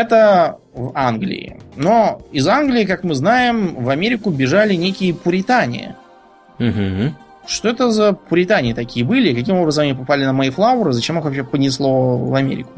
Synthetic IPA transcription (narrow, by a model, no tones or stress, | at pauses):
ɛt̪ə | vanɡlʲɪ̰ɪ̰noɪzanɡlʲɪɪkakmɨznajɪmvɐmʲeɾʲɪkʊbʲɪʐalʲɪnʲekʲɪjəpʊɾʲɪt̪anʲɪ̰jə̰ | m̩ɦ̩ | ʂt̪o̞ɛt̪əzəpʊɾʲɪt̪anʲɪːt̪ɐkʲijəbɨlʲɪːkɐkʲimo̞bɾəzəmɐnʲipɐpalʲɪnəmɐiflˠavʊɾɨzɐt͡ɕemɨxvɐpɕ̬ʲepənʲɪslˠo̞vɐmʲḛɾʲɪ̰kʊ̥